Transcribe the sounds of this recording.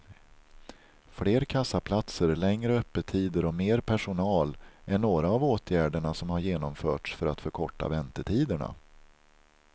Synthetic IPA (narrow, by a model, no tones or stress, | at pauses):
fleːɾkʰasːapʰlat̪səɾlɛŋɾəœpːət̪ʰiːd̪əɾɔmeːɾpʰæʂʊnɑːlʔæɳoːɾaːvoːt̪ʰjæːɖəɳasɔmhaɾjeːnɔmfœːʈʂfœɾat̪fœɾkʰɔʈːa̰vɛnt̪əʈʰiːd̪əɳa̰